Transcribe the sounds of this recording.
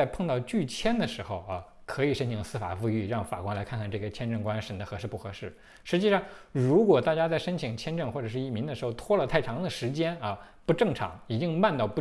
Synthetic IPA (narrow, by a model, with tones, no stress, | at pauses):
a˥˧ɪpʰɤ˥˧ŋt̪ɑ˥˧ʊt͡ɕy˥˩t͡ɕʰjɛ˥nd̪ə˨ʂɻ̩˧˥xo˧ʊɐ˧ | kʰɤ˧˥i˨˩ʂə˥nt͡ɕʰi˧˥ŋsɹ̩˥fa̰˨˩fu˥˧y˥˧ɻɑ˥˩ŋfa̰˨˩kwa˥ŋla˧˥ɪkʰa˥˧nŋkʰa˥˧nʈ͡ʂɤ˥˩ɡə˩t͡ɕʰjɛ˥˧nʈ͡ʂɤ˥˩ŋkwa˥nʂə˧˥nd̪ə˧xɤ˧˥ʂɻ̩˥˧pu˥˩xɤ˧˥ʂɻ̩˥˩ | ʂɻ̩˧˥t͡ɕi˥˧ʂɑ˥˩ŋɻu˧˥kwɔ˨˩t̪a˥˩t͡ɕja˥t͡sa˥˩ɪʂə˥nt͡ɕʰi˨˩ŋt͡ɕʰjɛ˥nʈ͡ʂɤ˥˧ŋxwɔ˥˩ʈ͡ʂɤ˨˩ʂɻ̩˥˧i˥˩mi˧˥ŋd̪ə˧ʂɻ̩˧˥xʊt̪ʰwɔ˥lə˨t̪ʰa˥˩ɪʈ͡ʂʰɑ˧˥ŋd̪ə˨ʂɻ̩˧˥t͡ɕjɛ˥nɐ˧pu˧˥ʈ͡ʂɤ˥˩ŋʈ͡ʂʰɑ̰˧˥ŋi˨˩t͡ɕi˥ŋma˥˧nt̪ɑ˥˧ʊpu˧